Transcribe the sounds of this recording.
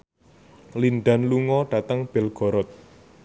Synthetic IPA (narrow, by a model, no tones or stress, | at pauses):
linɖa̤nluŋɔɖ̥ä̤t̪əŋb̥ɛlɡ̥ɔ̤ɾɔt̪̚